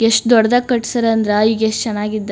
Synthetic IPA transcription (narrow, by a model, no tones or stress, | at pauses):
eʂʈd̪ɔɽɐd̪akːɐʈsɐɾɐnd̪ɾeiːɡeʂʈt͡ʃɛnaːɡid̪ːe